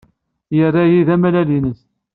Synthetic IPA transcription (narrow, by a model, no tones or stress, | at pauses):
jərːajiðæmælælinəs